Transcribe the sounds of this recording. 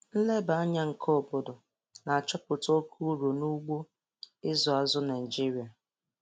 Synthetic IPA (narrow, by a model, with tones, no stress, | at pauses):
n̩˦le˦ba˨a˦ɲa˦ŋ̩˨kʰɔ˦˨bʊ˨dʊ˨ | na˨a˨t͡ʃɔ˦pʊ˨to˦kʰu˦ɾo˨nu˦ɡ͡bo˦ | ɪ˦zɔ˨a˨zʊ˦na˨d͡ʒi˦ɾi˨a˨